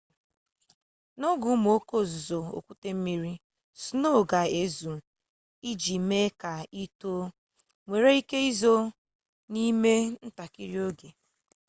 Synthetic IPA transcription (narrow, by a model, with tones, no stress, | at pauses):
nɔ˦ɡʊ˨˦m˨o˦ko˦˨zʊ˨zo˨o̰˨kʷu˦te˦m̩˦mi˦ɾi˦ | sno˦˨ɡa˨e˨zu˨ | i˦d͡ʒi˨me˦ka˨i˦to˦ | ŋʷe˨ɾe˦i˦ke˦i˦zo˦ | ni˦me˦n̩˦ta˨ki˦ɾi˦o˦ɡe˨